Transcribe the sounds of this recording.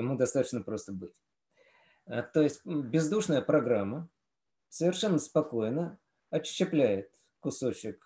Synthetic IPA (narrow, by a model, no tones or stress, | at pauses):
ɪmud̪ɐst̪at̪ə̥t͡ɕnəpɾo̞st̪əbɨtʲ | ət̪o̞jɪsʲtʲbʲɪzd̪uʂnəjəpɾɐɡɾamːə | səvʲɪrʂɛnːəspɐko̞jnə | ɐɕːɪplʲæjɪt̪ | kʊso̞t͡ɕɪk